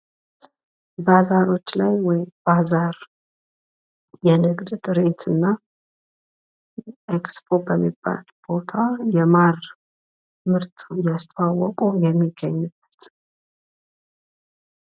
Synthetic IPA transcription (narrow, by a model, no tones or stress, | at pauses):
bazaɾo̞t͡ʃːlajwɔjɪmbazaɾ | jɛnɨɡd̪t̪ʼɨɾe̞t̪ʰɨnːa | ʔekspʰo̞bəmːibːa̰lb̥o̞t̪ʰajɛmaɾ | mɨɾt̪ʰujast̪ʰwawɔkʼujɛmːiɡːəɲːɨb̥ːət̪